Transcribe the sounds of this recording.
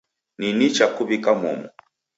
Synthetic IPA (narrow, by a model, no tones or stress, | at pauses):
ninit͡ʃakuβikamɔ̰mɔ